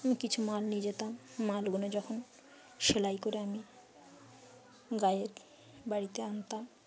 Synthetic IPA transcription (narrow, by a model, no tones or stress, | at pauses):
amikit͡ɕʰumalnid͡ʑet̪amːalɡonod͡ʑɔkʰon | ʃelajkoɾeami | ɡajeɾ | baɽit̪eant̪am